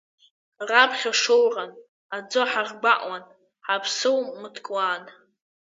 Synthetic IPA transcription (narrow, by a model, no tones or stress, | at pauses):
rapʰχʲaʂowran | ad͡zoħarɡ͡baʔʼwan | ħapʰsɨwmɨtʰkʼwan